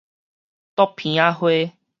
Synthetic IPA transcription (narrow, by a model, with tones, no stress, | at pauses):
t̪ɔ˦pʰːĩ˨a˦hwe˦